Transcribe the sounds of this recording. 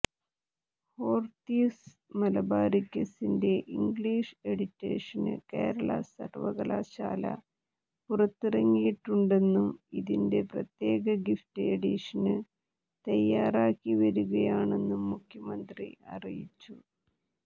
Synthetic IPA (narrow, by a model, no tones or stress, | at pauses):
ho̞ːrt̪iːs | mɐlɐbaːɾikːɐsinde̞ʔiŋɡɭiːʂe̞ɽitːḛːʂɐnɨ̰ke̞ːɾɐɭɐ̰sɐ̰rʋɐɣɐla̰ːɕaːlɐ̰ | purɐt̪ːirɐŋːijiʈːuɳɖe̞nːumiðinde̞prɐt̪je̞ːɣɐɡiftɨeɽiʂɐnɨ | t̪ɐjːaːraːkːiʋɐɾuɣɐjaːɳe̞nːumːukʰjɐmɐnd̪rḭɐ̰rijit͡ɕːu